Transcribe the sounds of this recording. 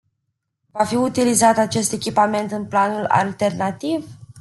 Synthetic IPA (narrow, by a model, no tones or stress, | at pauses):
vafiut̪ilizat̪at͡ʃe̞st̪e̞kʲipame̞nt̪ɨnplanula̰lt̪e̞rnat̪iv